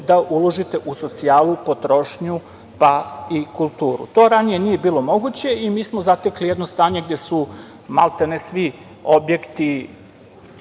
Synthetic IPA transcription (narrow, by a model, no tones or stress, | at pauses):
d̪aʔulˠo̞ʒit̪e̞ʔuso̞t̪siaːlˠupo̞t̪ɾo̞ʃɲu | paikulˠt̪uːɾṵt̪o̞ːɾanije̞niːje̞biːlˠo̞mo̞ɡut͡ɕe̞imiːsmo̞zat̪eklijed̪no̞st̪aːɲeɡd̪je̞su | ma̰lˠt̪enesʋi | o̞bjekt̪i